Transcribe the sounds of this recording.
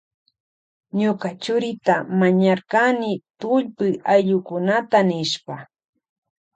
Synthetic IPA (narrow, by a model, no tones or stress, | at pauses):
ɲʊkat͡ʃʊɾɪt̪amaɲaɾkanɪt̪ʊʎpɪajʎʊkʊnat̪anɪʃpa